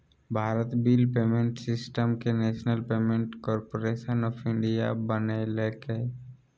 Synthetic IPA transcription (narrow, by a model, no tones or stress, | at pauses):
bʱaːɾət̪biːlpeːmẽɳʈsɪsʈəmkeneːʃnəlpeːmẽɳʈkɔːɾpoɾeːʃənɔːpʰɪ̃ɳɖija̰bəneleːke